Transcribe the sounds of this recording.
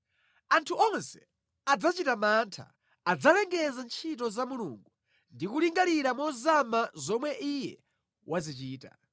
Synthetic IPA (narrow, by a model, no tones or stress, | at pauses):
antʰuɔnsɛ̥ | ad͡zat͡ʃitamantʰa̰ː | d͡zalɛŋɡɛzant͡ʃʰit̬ɔzamuluŋɡu | ndikuliŋɡaɾiɾamɔzamazɔmwɛʔijɛ̰ | wʔazit͡ʃiːta̰